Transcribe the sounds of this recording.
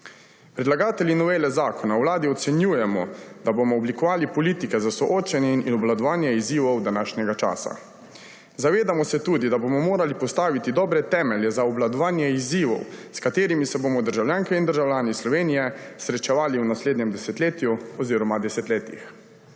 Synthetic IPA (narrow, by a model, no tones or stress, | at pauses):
pɾɛd̪laɡaːt̪ɛlʲjinɔʋeːlɛzaːkɔnawlaːd̪iɔt̪sɛnjuːjɛmɔ̰d̪̥abomɔɔblikɔʋaːlipɔliːt̪ikɛzasɔʔoːt͡ʃɛnjɛiniɔblad̪ɔʋaːnjɛiziːʋɔwd̪anaːʃnʲɛɡat͡ʃa̰ːsa̰ | zaʋeːd̪amɔsɛt̪uːd̪id̪abomɔmoːɾalipɔst̪aːʋit̪id̪ɔːbɾɛt̪ɛːmɛljɛzaɔblad̪ɔʋaːnjɛiziːʋɔ̰wskat̪eːɾimisɛbomɔd̪əɾʒawljaːŋkɛind̪əɾʒawlʲjaːnislɔʋeːnijɛsɾɛt͡ʃɛʋaːliunasleːd̪nɲɛmd̪ɛsɛt̪leːt̪juɔziːɾɔmad̪ɛsɛt̪leːt̪ḭx